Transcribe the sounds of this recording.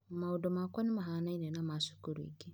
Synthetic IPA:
maudɔmakwanimaɦanainɛnamasu̥kuɾḭɡi

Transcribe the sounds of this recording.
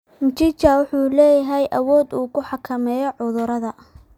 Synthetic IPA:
nt͡ʃɪt͡ʃɐwʊħuːlɛːjɐɦɛjʔɐwɔːd̪uːkʰʊħɑkʰɐmɛːjɔʕʊðʊɾɐðɐ

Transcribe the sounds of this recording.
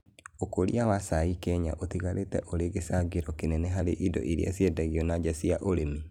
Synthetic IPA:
okoɾḭawasaikɛɲa̰ʔot̪iɣaɾʔetɛ̰ʔoɾeɣesaɡeɾɔkenɛnɛɦaɾeʔidɔ̰ʔiɾḭasjɛdaɣiɔnaɟasiaʔoɾemi

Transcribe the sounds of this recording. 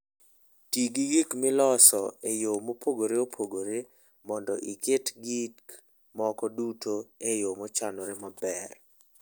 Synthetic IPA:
tiɡiɡikmɪlɔsɔejomopʰoɡoɾeopʰoɡoɾe | mɔndɔʔiketɡik | mɔkɔdutʰoejomot͡ʃanoɾemabɛr

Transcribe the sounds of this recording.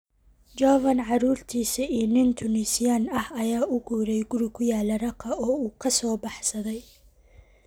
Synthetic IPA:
d͡ʒɔvɐnʕɑɾuːrt̪ʰiːsɐʔiːnɪnt̪ʰʊnɪsɪjanɐhɐjaːʔʊɡuːɾɛjɡʊɾɪkʰʊjaːlɐɾɐqʰɐʔɔːuːkʰɐsɔːbɑħsɐðɛj

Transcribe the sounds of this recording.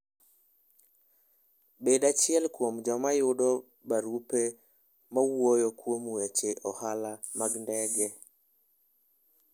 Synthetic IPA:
beɗat͡ʃiɛlkwomd͡ʒɔmajʊɗɔ | baɾupe | mawojɔkwomwet͡ʃeʔɔhalamaɡndɛɡɛ

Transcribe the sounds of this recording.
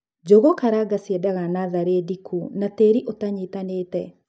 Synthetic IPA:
d͡ʒoɣɔkaɾaɡasiɛdaɣanaðaɾedikʰunateɾiʔotaɲitaneːtɛ

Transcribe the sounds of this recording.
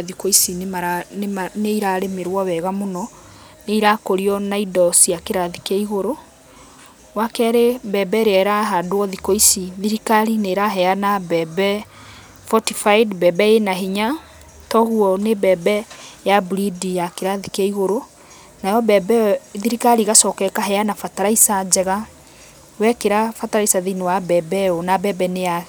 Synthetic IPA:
ðikoisinemaɾamaneiɾaɾemeɾwɔβɛɣamonɔ | neiɾakoɾiɔnaidɔsiakeɾaðikeiɣoɾo | wakɛɾebɛbɛɾeɛɾaɦadoɔðikoisiðiɾikaɾineɾaɦɛanabɛbɛ | fɔtifaidbɛbɛenaɦiɲa | tɔɣuɔnebɛbɛjabuɾidijakeɾaðikeiɣoɾo | najɔbɛbɛðiɾikaɾiɣasɔkɛkaɦɛanafataɾaisad͡ʒɛɣa | wɛkeɾafataɾaisaðinewabɛbɛonabɛbɛneja

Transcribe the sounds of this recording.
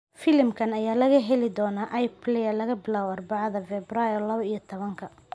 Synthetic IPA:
fɪlɪmkʰɐnɐjaːlɐɣɐɦɛlɪd̪ɔːnaːʔɐjpʰlɛjɐlɐɣɐbɪlaːwʊɑrbɑʕɑðɐfɛbrajɔlɐβɐijɐt̪ʰɔβɐŋkʰɐ

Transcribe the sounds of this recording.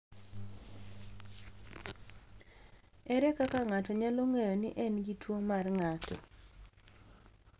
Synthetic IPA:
ɛɾɛkakaŋatɔɲaloŋejonɪʔɛnɡitwomarŋatʰɔ̰

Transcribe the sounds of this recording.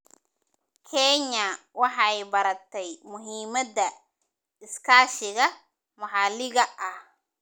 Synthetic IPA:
kʰɛɲa | wɑħɑjbɐɾɐt̪ʰɛjmʊɦiːmɐd̪ɐ | ɪskʰaːʃɪɣɐ | mʊħalɪɣɐʔɐh

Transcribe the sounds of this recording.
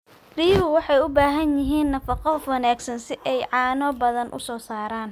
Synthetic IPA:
riːʊwɑħɑjʊbaːɦɐnjɪɦiːnːɐfɑqɔfwɐnaːɡsɐnsɪʔɛjʕɑːnɔːbɐðɐnʔʊ̰sɔːsaːɾaːn

